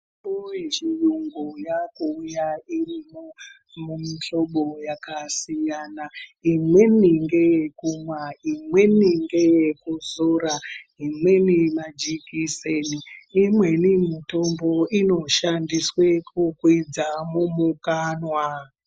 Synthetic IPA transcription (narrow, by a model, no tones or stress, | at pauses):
oeʃijuŋɡujakuːjairimo | mumiɬo̞ɓojakasijanaimwe̞niŋɡe̞jekumwaimwe̞niŋɡejekuzoɾaimwe̞nimad͡ʒikiseniːmwe̞nimito̞mbo̞ino̞ʃandiswekʰukwid͡zamumukanwa